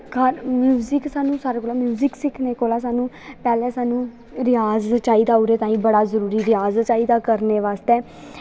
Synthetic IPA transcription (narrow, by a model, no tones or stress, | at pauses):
kaɾmjuːzɪksaːnũːsaːɾeːkoːlaːmjuːzɪksɪkʰneːkoːlaːs̬aːnũː | pɛːlɛːsaːnũː | ɾɪjaːzt͡ʃaːiːd̪aːʊɾeːt̪ãːĩːbəɽaːzəɾuːɾiːɾɪjaːzt͡ʃaːiːd̪aːkəɾneːʋaːst̪eː